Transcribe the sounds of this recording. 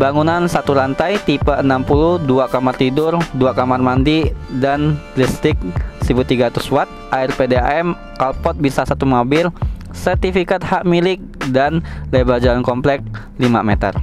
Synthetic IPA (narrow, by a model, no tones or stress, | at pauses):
baŋunansat̪uɾant̪ajt̪ipaʔənampuluhduakamart̪idʊrduakamarmandidanplist̪ɪk̚sibut̪iɡat̪uswat̪̚ʔaɪrpedea̰ɛm | kalpɔt̪̚bisasat̪umɔbɪl | sərt̪ifikat̪̚haʔmilɪk̚danlebad͡ʒalankɔmplɛk̚ | lima̰mɛt̪ə̰r